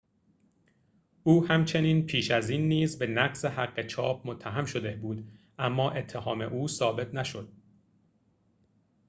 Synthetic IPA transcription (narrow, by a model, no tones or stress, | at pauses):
ʔuːhæmt͡ʃʰe̞niːnpʰiːʃæziːnːiːzbe̞næɡsehæɢːe̞t͡ʃʰɒːp̚ʰmot̪ʰːæɦæmʃo̞d̪e̞buːd̪ | ʔæmːɒːʔe̞t̪ʰːehɒːmḛʔuːsɒːbe̞t̪ʰnæʃo̞d̪̥̚